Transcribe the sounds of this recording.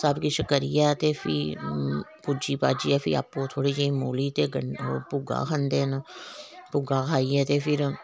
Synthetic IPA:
sabkiʃəkəɾijat̪efʰi | pud͡ʒiːpa̰ːd͡ʒiːɛfʰḭa̰ːpot̪ʰoːɽiseĩmoːliːt̪eɡəpʊɡa̰ːkʰãnd̪eːn | pʊɡakʰaːiɛt̪efʰɪɾ

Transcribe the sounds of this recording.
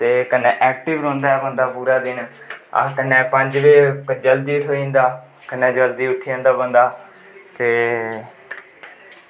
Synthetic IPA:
t̪eːkənːɛ̃ːʔɛːk̚ʈɪʋɾõːnd̪aːɛbə̃nd̪aːpuːɾaːd̪ɪn | ə̰kənːɛ̃ːpəɲd͡ʒʋeːd͡ʒəld̪iːʈʰoːĩːnd̪aː | kənːɛ̃ːd͡ʒəld̪iːʊʈʰːiãːnd̪aːbənd̪aː | t̪eː

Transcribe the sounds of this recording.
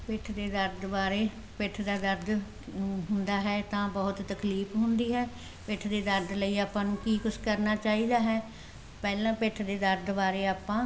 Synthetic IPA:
pɪʈʰd̪eːd̪əɾd̪baːɾeː | pɪʈʰd̪aːd̪əɾd̪ | ɦʊnd̪aːɦɛːt̪ãːbəːʊt̪ːəkliːpɦʊnd̪iːɦɛː | pɪʈʰd̪eːd̪əɾd̪ləiːaːpãːnũːkiːkʊʃkəɾnaːt͡ʃaːiːd̪aːɦɛː | pɛːlãːpɪʈʰd̪eːd̪əɾd̪baːɾeːaːpãː

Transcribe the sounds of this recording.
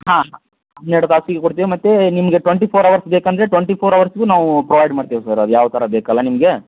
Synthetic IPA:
ɦãːɦ | neɽɐt̪aːsiɡekoɽt̪iːʋimɐt̪ːenimɐɡe̞ʈʋeɳʈipʰoːɾɐʋɐɾsbeːkɐnd̪ɐɾe̞ʈʋeɳʈipʰoːɾɐʋɐɾsɡunaːʋupɾɐʋɐjɖmaːɖt̪iʋisɐɾɐd̪ujaːʋɐt̪ʰɐɾɐbeːkɐlːɐnimɐɡe

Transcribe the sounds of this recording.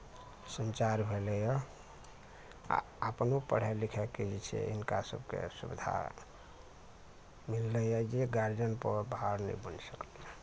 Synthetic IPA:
sənt͡ʃaɾbʱelɛjɔ | əpnupəɽ̤ɛlikʰɛked͡ʒit͡ʃʰḛinkasə̰bʱkḛsubid̪ʱa̰ | milːɛjɔd͡ʒeɡaɾd͡ʒənpəbaɾnə̰ibənsəklɛjɔ

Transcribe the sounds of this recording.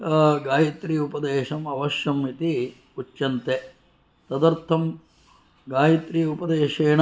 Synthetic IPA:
ɡaːjit̪ɾiːupɐd̪eːʃɐmɐʋɐʃjɐmːit̪i | ut͡ʃjɐnt̪e | t̪ɐd̪ɐɾt̪ʰɐm | ɡaːjit̪ɾiupɐd̪eːʃeːɳɐ

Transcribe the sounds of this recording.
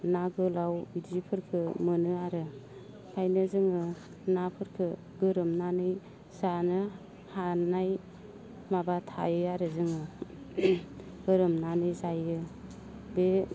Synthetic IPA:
naɡɯlawidipʰɯɾkʰɯmɯnɯaɾɯ | pʰajnɯzɯŋɯ | napʰɯɾkʰɯ | ɡɯɾɯmnanɯj | zanɯ | hanaj | mabatʰa̰jɯaɾɯzɯŋɯ | ɡ̥ɯɾɯmnanɯjzajɯ | be

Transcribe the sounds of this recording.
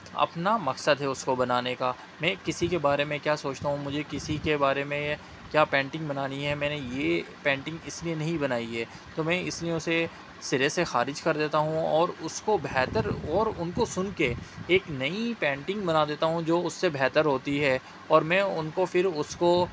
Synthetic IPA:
ɐ̰pnamɐksəd̪ɦɛʊskobɐnaːneka | mɛ̃ːkɪsikebaːɾemẽkjaːsoːt͡ʃt̪aɦũmʊd͡ʒʱekɪsikebaːɾemẽ | kjaːpɛ̃ːɳʈɪ̃ŋɡbɐnaːniɦɛmɛ̃ːnejepɛ̃ːɳʈɪ̃ŋɡɪslienɐɦĩbɐnaːiɦɛː | t̪oːmɛ̃ːɪslieʊse | sɪɾesexa̰ːɾɪd͡ʒkɐɾd̪eːt̪aɦũɔːɾʊskobɛːt̪əɾɔːɾʊnkosʊnkeeːknɐipɛ̃ːɳʈɪ̃ŋɡbɐnad̪eːt̪aɦũd͡ʒoːʊsːebʱɛːt̪əɾɦoːt̪iɦɛː | ɔːɾmɛ̃ːʊnkofɪɾʊsko

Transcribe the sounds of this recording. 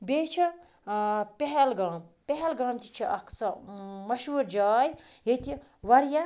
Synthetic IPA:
bʲeːt͡ʃʰi | pʲeɦɛlɡãːmpʲeɦɛlɡãːmt̪ʲi̥t͡ʃʰiʔɐkt͡sɐmɐʃuːɾd͡ʒaːjɦet̪i | ʋɐɾjɐ

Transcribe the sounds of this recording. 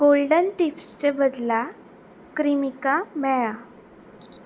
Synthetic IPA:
ɡ̥olɖənʈifst͡ɕebəd̪la | kɾimikamɛɭa

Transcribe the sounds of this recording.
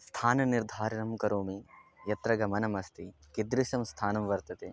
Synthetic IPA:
st̪ʰaːnɐniɾd̪ʱaːɾɐɳɐmkɐɾoːmijɐt̪ɾɐɡɐmɐnɐmɐst̪ʰikid̪ɾiʃɐmst̪ʰaːnɐmʋɐɾt̪ɐt̪e

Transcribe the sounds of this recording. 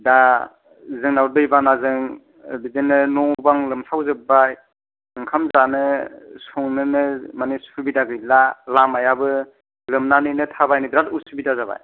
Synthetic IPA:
da | zɯŋnawɾdɯjbanazɯŋ | bidɯnɯnɔbaŋlɯmsʰawzɯbaj | ɯŋkʰamzanɯsɔŋnɯnɯmanisubidaɡɯjlalamajabɯ | lɯmnanɯjnɯtʰabajnɯdɾatusubidazaba̰j

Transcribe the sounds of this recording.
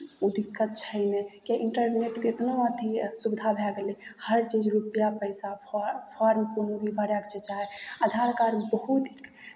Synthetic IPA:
ud̪ikːət̪t͡ʃʰəɪnekaʔiɳʈəɾneʈkeet̪noət̪ʰisubd̪ʱabʱɛɡelihəɾt͡ʃid͡ʒɾupijapəɪsapʰaɾmkonobʱibʱaɾjakt͡ʃʰet͡ʃaɦead̪ʱaɾkaɾbəɦut̪ik

